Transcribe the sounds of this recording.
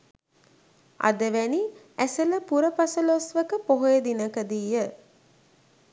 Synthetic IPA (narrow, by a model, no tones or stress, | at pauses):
ʔa̰d̪əʋæni | æsələpuɾəpɐsəlosʋəkəpoɦojed̪inəkəd̪iːjə